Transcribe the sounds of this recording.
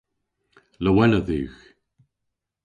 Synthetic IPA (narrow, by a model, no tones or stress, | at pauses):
ləwɛnəðʉ̰ːx